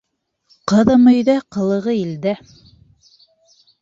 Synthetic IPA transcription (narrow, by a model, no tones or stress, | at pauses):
qɤ̆ðɤ̆mɵ̆jðæqɤ̆lˠɤ̆ʁɤild̪æ